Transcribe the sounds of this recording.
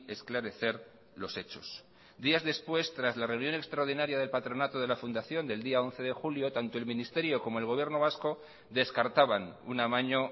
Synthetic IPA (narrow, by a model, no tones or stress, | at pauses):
esklaɾe̞θe̞ɾ | lo̞set͡ʃo̞s | d̪iazðe̞spwe̞st̪ɾazlare̞unjo̞ne̞kst̪ɾaoɾðinaɾjaðe̞lpat̪ɾo̞nat̪oðe̞lafund̪aθjo̞nd̪e̞ld̪iao̞nθe̞ðe̞xuljo̞t̪ant̪oe̞lmĩnist̪e̞ɾjo̞ko̞moe̞lɣ̞o̞β̞je̞ɾno̞β̞asko̞ | d̪e̞skaɾt̪aβanṵnamaɲo̞